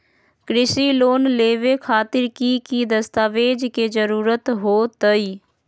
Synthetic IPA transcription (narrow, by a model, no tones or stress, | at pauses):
kɾɪsiloːnleːʋekʰaːt̪ɪɾkikid̪əst̪aːʋeːd͡ʒked͡ʒəɾuːɾət̪ɦoːt̪əiː